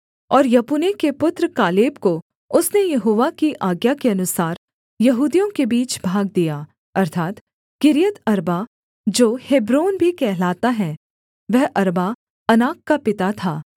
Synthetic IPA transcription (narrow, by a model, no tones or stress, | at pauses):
ɔːɾjɐpunekepʊt̪ɾəkaːleːbko | ʊsnejɐɦoːʋakiʔaːɡjakeɐnʊsaːɾ | jɐɦuːd̪ijõkebiːt͡ʃbʱaːɡ̚d̪ijaː | ɐɾt̪ʰaːt̪ | kɪɾijət̪ɐɾba | d͡ʒoːheːbɾoːnbʱikɛɦlaːt̪aɦɛ̃ | ʋɛɦʔɐɾba | ɐnaːkːapɪt̪at̪ʰaː